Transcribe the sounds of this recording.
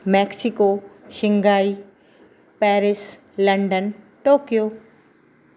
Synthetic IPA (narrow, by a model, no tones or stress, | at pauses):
mɛːksikoːʃɪ̃ŋɡaːi | pɛːɾɪs | lɐ̃ɳɖən | ʈoːkijoː